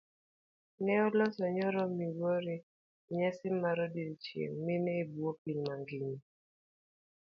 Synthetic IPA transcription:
nɛɔlɔsɔɲɔɾɔmiwoɾe | ɲasɪmːaɾɔdiɾit͡ʃjḛŋmɪnɛibuopiɲmaŋɡini

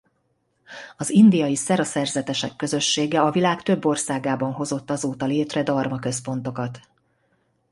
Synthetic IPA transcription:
ɒzind̪ijɒjisɛɾɒsɛrzɛt̪ɛʃɛkːø̞zø̞ʃːeːɡɛɒvilaːkt̪øbːo̞rsaːɡaːbɒnɦo̞zo̞t̪ːɒzoːt̪ɒleːt̪rɛd̪ɒrmɒkø̞spo̞nt̪o̞kɒt̪

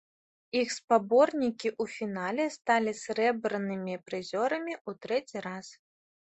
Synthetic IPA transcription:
ixspabɔrnʲikʲiʔufʲin̪alʲɛst̪alʲisʲɾɛbɾɨnɨmʲipɾɨzʲɔɾɐmʲiut̪ɾɛt͡sʲiɾas

